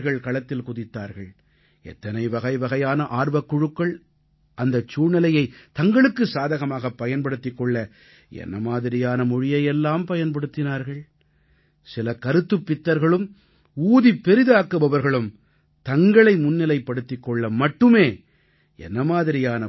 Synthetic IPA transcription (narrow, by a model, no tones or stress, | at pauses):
ɾɣɐɭkɐɭɐt̪ːɪlkʊðɪt̪ːaːɾɣɐɭ | ɛ̰t̪ːɐnɐɪʋɐɣɐɪʋɐɣɐjaːnɐʔaːɾʋɐkːʊɻɯkːɐɭ | ʔɐnd̪ɐt͡ʃːuːnɪlɐjɐɪt̪ɐŋɡɐɭɯkːɯsaːðɐɣɐmaːɣɐpːɐjɐnpɐɽɯt̪ːɪkːɔɭːɐ | ɛ̰nːɐmaːðɪɾɪjaːnɐmʊɻɪjɐjɛlːaːmpɐjɐnpɐɽɯt̪ːɪnaːɾɣɐɭ | sɪlɐkɐɾɯt̪ːɯpːɪt̪ːɐɾɣɐɭɯm | uːðipːɛɾɪðɯaːkːɯbɐʋɐɾɣɐɭɯm | t̪ɐŋɡɐɭɐɪmʊnːɪlɐɪpːɐɽɯt̪ːɪkːɔɭːɐmɐʈːɯmeː | ɛ̰nːɐmaːðɪɾɪjaːnɐ